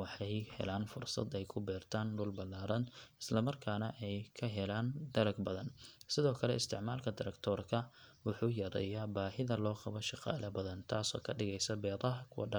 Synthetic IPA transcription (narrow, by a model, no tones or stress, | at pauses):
wɑħɛjhɛ̰laːnfʊrsɐ̰d̪ɛjkʰʊbɛːrt̪ʰaːnɖʊlbɐlːaːɾɐnɪ̥slɐmɐrkʰaːnɐʔɛjkʰɐɦɛlaːnd̪̥ɐɾɐɡbɐðɐnsɪðɔːkʰɐlɛɪst̪ʰɪʕmaːlkʰɐd̪ɪɾɛkt̪ʰɔːrkʰɐwʊħuːjɐɾɛ̰jaːbaːɦɪðɐlɔːqɑβɔʃɪqɑ̰ːlɐbɐðɐnt̪ʰaːsɔ̰ːkʰɐɖɪɣɛjsɐbɛːðɐɦɐkʰʊwɐ̰ɖɑ